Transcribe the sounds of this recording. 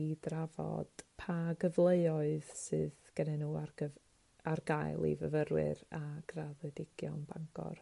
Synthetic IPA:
idravɔ̰d̥pʰaɡəvlˠeɨɔɨð̥sɨðɡ̥ɛnɛnuːarɡə | arɡajlˠḭvəvəɾwɪ̰ɾaɡ̥raðɛdɪɡ̥jɔ̰nbaŋɡɔ̰r

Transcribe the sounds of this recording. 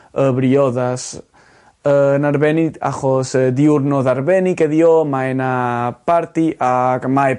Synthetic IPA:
əβɾiɔðas | ənaɾβɛnia̰χɔsəðiʊrnɔðaɾvɛnikɛðiomaɛnapaɾtiʔaɡmaj

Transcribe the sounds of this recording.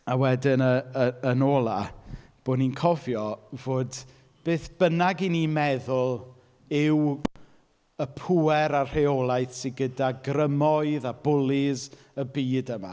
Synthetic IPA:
awɛdɪnəəənoːlˠab̥oːninkʰɔvjɔvoːd | b̥eːθb̥ənaɡinimɛðʊlˠ | ɪw | əpʰuɛɾarr̥eɔlˠajθsɪɡədaɡrəmɔɨðabʊlˠɪz | əbiːdəma̰

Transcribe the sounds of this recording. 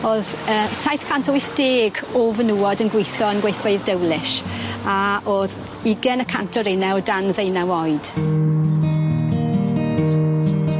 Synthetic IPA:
oːðəsajθkʰantʰɔjθd̥eːɡovənuːɔdənɡwejθɔənɡwejθweɨðdəwlɪʃaoːð | ɪɡɛnəkʰa̰ntʰɔɾenɛwdanðejnawɔjd̥

